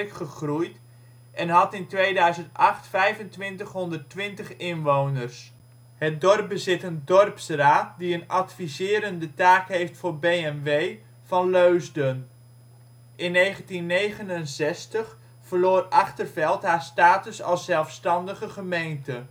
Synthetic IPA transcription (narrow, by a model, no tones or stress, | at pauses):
kχəχrujt | ʔɛnɦɑtɪntʋejdœɥzəntɑχtfɛjvəntʋɪntəχɦɔndərtʋɪntəχɪnʋownərs | hət̚dɔrp̚bəzɪtəndɔrpsraːt̚diənɑtfizɪːɾəndətaːkɦejftfʊːrbejɛnʋej | vɑnløɥzdən | ʔɪnːejχəntinːejχənənzɛstəχ | fərloːrɑχtərvɛlˠtɦaːstaːtʏsɑ̰lˠszɛlˠfstɑndəχəχəmejntə